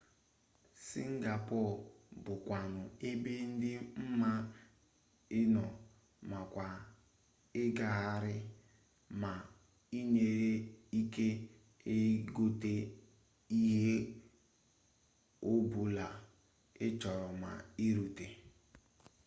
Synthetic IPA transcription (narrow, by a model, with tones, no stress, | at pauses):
si˦ŋ̩˦ɡa˨pɔ˦˨lbʊ˨kʷa˨nʊ˨e˦be˦n̩˦dɪ˦m̩˦ma˦ | ɪ˦nɔ˨ | ma˨kʷa˨ | ɪ˦ɡa˨ɦa˦ɾɪ˦ | ma˨ | i˦ne˨ɾe˦i˦ke˦ | e˦ɡo˦te˦ | i˦ɦe˦ | o˦bu˨la˨ | ɪ˦t͡ʃɔ˨ɾɔ˨ma̰˨i˦ɾu˨te˨